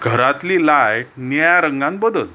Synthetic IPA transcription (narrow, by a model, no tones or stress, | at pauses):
ɡʱəɾat̪liːlajk̚njaɾəŋɡãn̚bəd̪əl